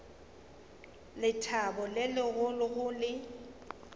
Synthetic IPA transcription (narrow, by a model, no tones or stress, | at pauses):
lɪtʰabɔlɪlɪɣʊlʊɣʊlɪ